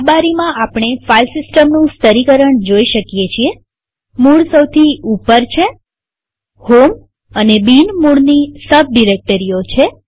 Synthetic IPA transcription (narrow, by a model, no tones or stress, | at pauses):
baɾimãʔapɳ̃efalsɪsʈəmnũst̪əɾikəɾəɳd͡ʒoiʃəkjet͡ʃʰie | muɽsəwt̪ʰiupəɾt͡ʃʰe | hom | ənebinmuɽnisəb̚ɖiɾek̚ʈəɾijot͡ʃʰe